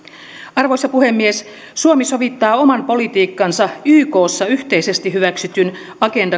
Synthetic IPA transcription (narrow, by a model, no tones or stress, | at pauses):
ɑrʋo̞jsɑpuhe̞mːies | suomiso̞ʋit̪ːɑːo̞mɑnpo̞lit̪iːkːɑnsɑyːko̞ːsːɑyht̪eise̞st̪iɦyʋæksyt̪yn | ɑke̞ndɑ